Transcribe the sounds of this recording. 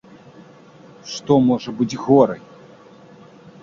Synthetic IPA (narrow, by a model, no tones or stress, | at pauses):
ʂt̪ɔmɔʐɐbɨd͡zʲɣɔɾɐj